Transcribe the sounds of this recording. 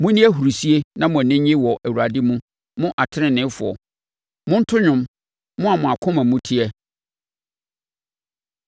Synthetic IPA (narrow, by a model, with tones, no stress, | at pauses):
mʊ̃˦nĩ˦æ˦ɦu˨ɾi˨si˦e˦nã˦mʊ̃˨nɪ̃˦ɲɪ̃˦wɔ˨ʔæ˨wu˨ɾa˨dɪ˦mũ˦ | mʊ̃˦ʔa˨tʰɪ˦ɾɪ̃˦nɪ̃˨˦fʊ̰˨ɔ̰˨ | mʊ̃˦n̩˦tʰʊ˦ɲʊ̃˦m | mʊ̃˦a˨mʊ̃˨a˨kʰʊ̃˦mã˨mũ˦tʰi˦ɛ˦